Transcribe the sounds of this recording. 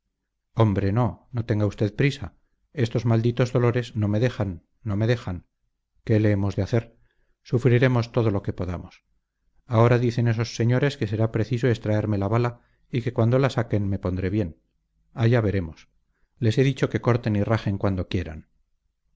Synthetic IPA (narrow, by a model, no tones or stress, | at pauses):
o̞mbɾe̞no̞no̞t̪e̞ŋɡaust̪e̞ðpɾisa | e̞st̪o̞zmald̪it̪o̞zðo̞lo̞ɾe̞zno̞me̞ðe̞xanː | o̞me̞ðe̞xaŋ | ke̞le̞emo̞zðeaθe̞ɾ | sufɾiɾe̞mo̞st̪o̞ð̞o̞lo̞ke̞po̞ðamos | ao̞ɾaðiθe̞ne̞so̞sːe̞ɲo̞ɾe̞ske̞se̞ɾapɾe̞θiso̞est̪ɾae̞ɾme̞laβala | ike̞kwand̪o̞lasake̞nme̞po̞nd̪ɾe̞βje̞n | aʝaβe̞ɾe̞mo̞s | le̞se̞ðit͡ʃoke̞ko̞ɾt̪e̞niraχe̞ŋkwand̪o̞kje̞ɾa̰n